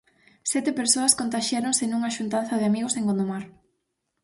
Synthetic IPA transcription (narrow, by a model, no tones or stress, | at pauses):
sɛt̪epeɾsoɐskont̪aʃjaɾoŋsenuŋaʃunt̪an̟θɐðɪamiɣoseŋɡond̪omaɾ